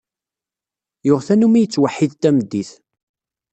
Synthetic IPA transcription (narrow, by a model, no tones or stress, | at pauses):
joʁθænumijət͡sːwaħːiðt̪æməd̪ːiθ